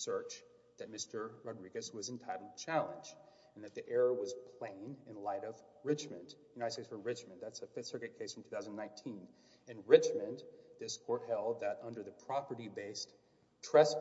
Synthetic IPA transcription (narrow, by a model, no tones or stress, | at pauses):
sɜ˞t͡ʃ | ðɨt̚mɪstə˞ɹɑdɹiɡɨswʌzɨ̃ntʰaɪɾl̩ˠt͡ʃʰælˠə̰̃nd͡ʒ̃ | n̩ðɨt̪̚ðiʔɛɹəwʌz̥pʰl̥ẽɪ̃nɨ̃nlaɪɾʌv | ɹɪt͡ʃmɨ̰̃ndjɨnaɪɾdsteɪsfəɹɪt͡ʃmɨ̃nðætsɨfɪθsɜ˞kɨt̚kʰeɪsfɹʌ̃m̩tʰʉ̥θaʊznnãɪ̃ntʰĩn | ɨ̃nɹɪt͡ʃmɨ̃nðɪskʰɔɹt̚hɛlˠd̪̚ðɨɾʌ̃ndə˞ðɨpʰɹ̥ɑpə˞ɾibeɪs | tʰɹ̥ɛs